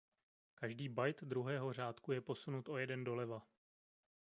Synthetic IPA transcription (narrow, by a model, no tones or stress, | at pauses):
kaʒdiːbajt̪d̪ɾuɦɛːɦo̞r̝aːt̪kujɛpo̞sunut̪ʔo̞jɛdɛndo̞lɛva